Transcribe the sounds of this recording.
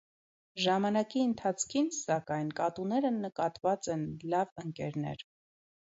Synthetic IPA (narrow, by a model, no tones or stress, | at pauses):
ʒɑmɑnɑkiənt̪ʰɑt͡sʰkʰinsɑkɑjnkɑt̪unɛɾənəkɑt̪vɑt͡sɛnlɑvəŋkɛɾnɛ̰ɾ